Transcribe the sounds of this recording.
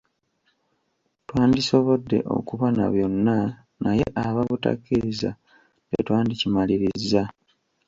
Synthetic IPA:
twaːndiso̞βo̞dːe̞̰ʔo̞̰kuβana̰βjo̞nːa | naje̞̰ʔaβaβuta̰kːiɾiza | ḛtwaːndicimaliɾizːa

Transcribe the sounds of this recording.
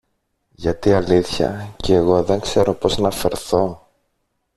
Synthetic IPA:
ʝɐt̪iɐliθçɐ̰ceːɣo̞ðe̞ŋkse̞ɾo̞po̞znɐfe̞ɾθo̞

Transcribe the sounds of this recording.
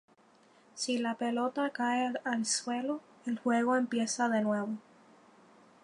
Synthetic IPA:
silape̞lo̞t̪akaealswe̞lo̞ | elxwe̞ɣo̞e̞mpje̞saðe̞nwe̞βo̞

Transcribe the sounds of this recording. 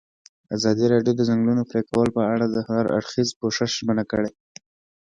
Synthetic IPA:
azɑd̪iɾɑɖjod̪əzaŋɡlunopɾekawəlopəaɽad̪əhaɾa̰ɽxizkoʂɪʃʒmənakəɽe

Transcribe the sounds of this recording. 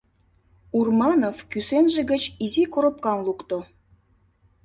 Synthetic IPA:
urmɑnofkysenʒĕɡə̆t͡ɕizikoɾŏp̚kɑnlukt̪o

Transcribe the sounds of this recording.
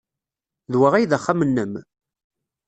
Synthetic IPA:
ðwəʁæjðəχːamənːəm

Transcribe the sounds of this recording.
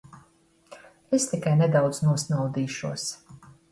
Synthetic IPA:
est̪ikajnɛd̪awd̪znuɔsnawd̪iːʃuɔs

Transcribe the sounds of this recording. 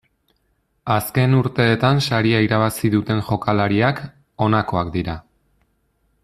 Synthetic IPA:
aske̞nuɾt̪e̞ːt̪ansaɾiaiɾaβ̞asiðut̪e̞nxo̞kalaɾiak | o̞nako̞akd̪iɾa

